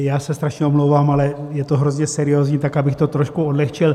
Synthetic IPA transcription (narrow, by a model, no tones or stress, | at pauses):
jaːsɛst̪ɾaʃɲɛomlowvaːmalɛjɛt̪oɦɾozɲɛsɛɾɪjoːzɲiːt̪akabɪxt̪o̞t̪ɾoʃkuodlɛxt͡ʃɪl